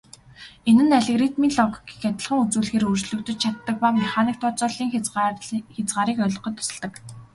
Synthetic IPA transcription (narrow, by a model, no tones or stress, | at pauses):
enɘ̆naɮĕɣrit̪miːnɮɔkɡixʲat̪ə̆ɮχə̆ŋut͡suːɮxeːɾɵrt͡ɕɮɵ̆kt̪ɵ̆t͡ɕt͡ɕʰat̪ːə̆k̚paːmaχaːniːk̚t̪ʰɔːt͡sʊːɮiːŋ | xʲet͡sʁaːɾiːkœɮ̆qɞ̆t̪ʊ̥sə̆ɮt̪ə̆k